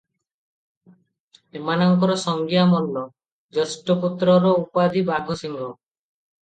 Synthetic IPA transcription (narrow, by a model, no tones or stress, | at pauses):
emanɔŋkɔɾɔsɔŋɡijamɔlːɔ | d͡ʒɔsʈɔput̪ɾɔɾɔupad̪ibaɡʱusiŋɡʱɔ